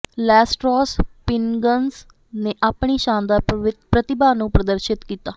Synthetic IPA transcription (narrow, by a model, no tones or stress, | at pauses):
lɛːsʈɾoːspɪnɡəns | neːʔaːpɳiːʃãːnd̪aːpɾət̪ɪbaːnũːpɾəd̪əɾʃɪt̪kiːt̪aː